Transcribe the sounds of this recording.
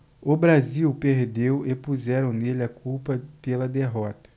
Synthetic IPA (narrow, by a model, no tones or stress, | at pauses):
ʊbɾaziwpeɾd̪ewepuzɛɾɐ̃w̃nelɪɐkʰuwpɐpelɐd̪eɦɔt̪ɐ̥